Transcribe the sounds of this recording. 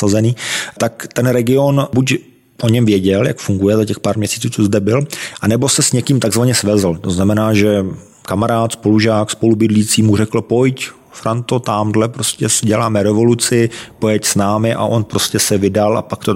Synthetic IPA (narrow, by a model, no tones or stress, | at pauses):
sazɛniːt̪akt̪ɛnɾɛɡɪo̞nbuc | ʔo̞ɲɛmvjɛɟɛljakfuŋɡujɛzacɛxpaːɾmɲɛsiːt͡suːt͡sozdɛbɪlʔanɛbo̞sɛsɲɛkiːmt̪aɡzvaɲɛsvɛzl̩t̪o̞znamɛnaːʒɛ | kamaɾaːt̪spo̞luʒaːkspo̞lubɪdliːt͡siːmurɛkl̩po̞jc | fɾant̪o̞t̪amdlɛpɾoscɛsɪɟɛlaːmɛɾɛvo̞lut͡sɪpojɛcsnaːmɪʔa̰ʔo̞npɾoscɛsɛvɪdalʔa̰pakt̪o